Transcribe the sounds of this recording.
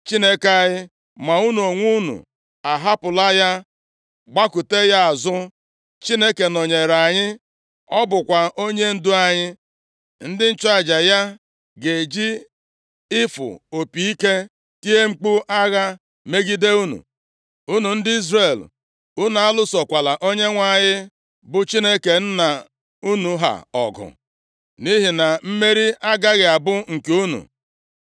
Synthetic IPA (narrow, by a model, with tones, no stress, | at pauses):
t͡ʃi˦ne˦ke˨a˨ɲɪ˦ | ma˨u˦nu˨o˨ŋʷu˦nṵ˨ | a˨ɦa˦pʊ˨la˦ja˦ | ɡ͡ba˦kʊ˨te˦ja˦a˨zʊ˦ | t͡ʃi˦ne˦ke˨no˨ɲe˨ɾa˨ɲɪ˦ | ɔ˦bʊ˨kʷa˨ʔo˦ɲe˦n̩˦dʊ˦a˨ɲɪ˦ | n̩˦dɪ˦n̩˦t͡ʃʊ˦a˦˨d͡ʒa˨ja˦ | ɡe˨d͡ʒi˦ | ɪ˦fʊ̰˨o˨pi˨i˦ke˦ | ki˦e˦ŋ͡m̩˦k͡pu˦ʔa˦ɣa˦ | me˦ɡi˦de˦u˦nṵ˨ | u˦nu˨n̩˦dɪ˦i˦zre˨l | u˦na˨a˦lʊ˦sɔ˨kʷa˨la˨ʔo˦ɲe˦ŋʷa˨ɲɪ˦ | bʊ˨t͡ʃi˦ne˦ke˨n̩˦na˨ | u˦nu˨ɦa̰˨ɔ̰˨ɡʊ̰˨ | ni˦ɦi˨na˨m̩˦me˦ɾi˦a˦ɡa˦ɣɪ˨a˨bʊ˦ŋ̩˨ke˨u˦nṵ˨